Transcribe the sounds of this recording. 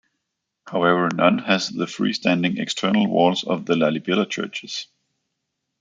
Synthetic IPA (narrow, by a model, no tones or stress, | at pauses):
haʊɛvə˞nʌ̃nɨzðəfɹḭːstʰæ̃ndɪ̃ŋɛ̰kstʰɜ˞nl̩ˠwɔ̰lˠzʌ̰vðəlælibɪlˠət͡ʃʰɜ̰˞t͡ʃɨz̥